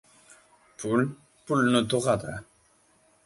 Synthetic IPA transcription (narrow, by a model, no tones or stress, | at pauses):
pul | pulnot̪uʁad̪a